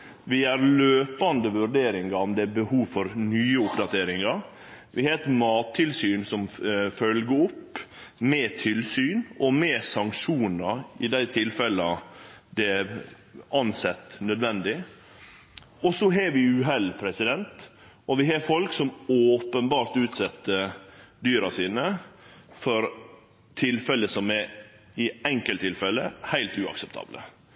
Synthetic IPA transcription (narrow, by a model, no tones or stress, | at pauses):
ʋɪæɾløːpɑnd̪əʋʉɾɖeːɾɪŋɡɑɔmd̪ɛæbəhuːʋfɔɾnyːəʊpd̪ɑt̪ʰeːɾɪŋɑɾ | ʋɪhet̪mɑːt̪ʰːɪlsyːnsɔmfœlɡəʊpːmɛːt̪ʰɪlsyːnɔmɛːsɑŋkʂuːnɑɪd̪æɪt̪ʰɪlfɛlɑd̪ɛ | ɑnsɛt̪ːnœd̪ʋɛnd̪ɪ | ɔsɔɦɛɾʋɪʉːɦɛlpʰɾɛsɪd̪ɛnt̪ | ɔʋɪɦɑfɔlksɔmoːpənbɑːɾt̪ʉːt̪sɛt̪ːəd̪yːɾɑsiːnə | fɔɾ | t̪ʰɪlfɛlːəsɔmɛɾ | ɪɛŋkəlt̪ʰːɪlfɛlːəhæɪlt̪ʉɑ̰ksɛpt̪ʰɑ̰ːblə̰